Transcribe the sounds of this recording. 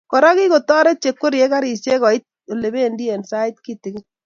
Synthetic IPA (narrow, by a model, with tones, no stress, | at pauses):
kɔ˨ɾa˦ki˦ko˨tɔ˦ɾe˦t͡ʃe˨kːo˦ɾje˦ka˦ɾi˨sje˦kɔ˨i˦t̚ | o˨le˨be˦ndi˦e˨nsa˦i˦tki˦tɪ˨ɡɪ˦